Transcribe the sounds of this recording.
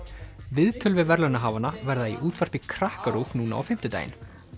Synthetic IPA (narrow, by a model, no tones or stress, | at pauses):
vɪðt̪ʰœlvɪðvɛɾlanaɦaːvanavɛɾðaḭʔuːt̪vaɾ̥pikʰɾahkaɾufnuːna̰a̰wfɪm̥t̪ʏt̪a̰ːjɪ̰n